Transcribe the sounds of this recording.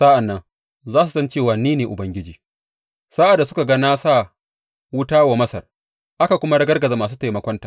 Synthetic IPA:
sa˦ʔa˨nːɐ˦ŋ | zaː˦s̬u˨sɐ˦nt͡ʃeː˦˨waː˨niː˦neː˨ʔʊ˨bɐ˦ŋɡʲɪ˦d͡ʒiː˨ | saː˦ʔa˨da˨sʊ˦ka˨ɡa˦naː˦saː˦ | wʊ˦taː˦wa˨mɐ˦sɐ˨r | ʔa˦ka˨kʷʊ˦ma˦ɽɐ˦ɡɐ˦rɡɐ˨zaː˨maː˨s̬uː˦ta˨jmɐ˨kʷɔ˦ntaː˨

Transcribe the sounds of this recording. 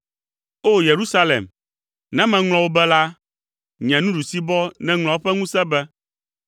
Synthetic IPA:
o˦je˨ɾu˦sa˦lḛ˨m | nɛ̃˦mɛ̃˨ŋl̃ɔ̃˨wo˦bɛ˦la˦ | ɲɛ̃˨nũ˦ɖu˨si˦bɔ˦nɛ̃˦ŋl̃ɔ̃˨wo˦ɸɛ˦ŋũ˦sɛ̃˦bɛ˦

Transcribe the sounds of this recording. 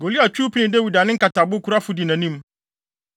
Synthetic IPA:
ɡo˨li˦a˨t͡ɕᶣuː˦pʰi˦nɪ̃˨dɛ˦wi˨da˨nɪ̃˦ŋ̩˦ka˨tʰa˨bʊ˦kʰu˨ɾa˦fʊ˦di˨nã˨nĩ˦m

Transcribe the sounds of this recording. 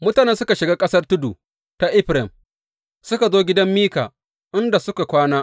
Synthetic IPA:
mʊ˦taː˨nɛ˦sʊ˦ka˨ʃɪ˨ɡaː˦kʼɐ˦sɐ˦rtʊ˦dṵ˨ | ta˨ʔɪ˦ɸɾɛ˨m | sʊ˦ka˨zoː˦ɡʲɪ˦dɐ˦mːiː˦ka̰ː˨ | ʔɪ˦nda˨sʊ˦ka˨kʷaː˦naː˦

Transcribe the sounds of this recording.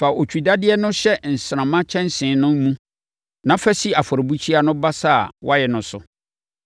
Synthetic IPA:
fa˨ʔo˨t͡ɕʰᶣi˨da˦dɪ˦ɛ˦nʊ̃˦ɕɛ˦n̩˨sɾã˨mã˦t͡ɕʰɛ̃˦n˦sɪ̃˨˦nʊ̃˦m˦mũ˦ | nã˨˦fɛ˦si˦a˨fɔ˨ɾbu˦t͡ɕʰi˦a˦nʊ̃˦ba˦sa˦˨wʔa˦jɛ˨nʊ̃˨sʊ˨

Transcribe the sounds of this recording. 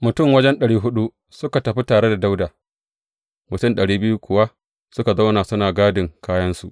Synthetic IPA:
mʊ˨tʊ˦˨mwɐ˦d͡ʒɛ˦nɗɐ˨ɽiː˦ɦʊ˦ɗu˦ | sʊ˦ka˨tɐ˨ɸi˦taː˨ɽe˦da˨da˦wdaː˨ | mʊ˨tʊ˦mɗɐ˨ɽiː˦bɪ˦juː˦kʷʊ˨wa˦ | sʊ˦ka˨za˦wnaː˨sʊ˦naː˨ɡaː˦dɪ˨ŋkaː˦jɐ˦nsu˨ʔ

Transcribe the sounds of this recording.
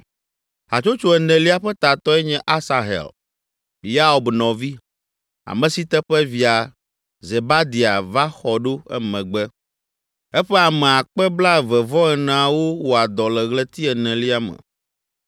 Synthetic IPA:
ɦa˨t͡ʃo˦t͡ʃo˨ɛ˨nɛ̃˨li˦a˦ɸɛ˦t̪a˨t̪ɔ˦ɛ˦ɲɛ̃˦ʔa˦sa˨ɦɛ̰˨l | li˦a˦o˨bnɔ̃˨vi˦ | a̰˨mɛ̃˨si˦t̪ɛ˦ɸɛ˦vi˨a˨ | ze˨ba˦d̪i˨a˨va˦xɔ˨ɖo˦ɛ̰˦mɛ̃˨ɡ͡bɛ˦ | ɛ˦ɸɛ˦a˨mɛ̃˨a˨k͡pɛ˦bla˦˨vɛ˨vɔ˦ɛ˨nã˨a˨wo˦wo˨a˨d̪ɔ˨lɛ˨ɣlɛ˦t̪i˦ɛ˨nɛ̃˨li˦a˦mɛ̰̃˨

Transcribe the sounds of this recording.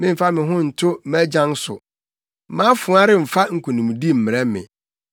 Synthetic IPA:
mɪ̃˦m̩˨fa˦mɪ̃˨ɦʊ̃˦n̩˨tʰʊ˦mæ˦d͡ʑã˦n˦sʊ̰˨ | mã˦fʊ̃˨˦a˦ɾɪ˦m̩˨fa˦ŋ̩˨kʰũ˨nĩ˨m̃˨di˦m̩˨mɪ̃˨ɾɛ˦mɪ̰̃˨

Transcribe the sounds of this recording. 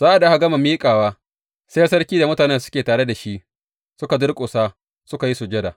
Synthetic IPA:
zaː˦ʔa˨da˦ha˨ɡɐ˦ma˨miː˦kʼaː˨waː˦ | se˦jɐ˦sɐ˦rkʲiː˦da˨mʊ˦taː˨nɛ˦sʊ̥˦kʲeː˨taː˨ɽe˦da˨ʃi˦ʔ | sʊ˦ka˨dʊ˦ɽkʷʼʊ˨saː˦ | sʊ˦ka˨ji˦sʊ˨d͡ʒɐ˦da˨

